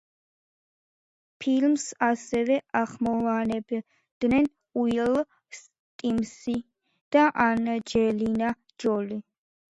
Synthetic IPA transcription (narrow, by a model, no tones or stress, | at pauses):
pʰilmsasɛvɛʔaχmɔvanɛb | d̪̥nɛn | uɛl | s | t̪ʼimsi | d̪̥aʔand͡ʒɛlina | d͡ʒɔli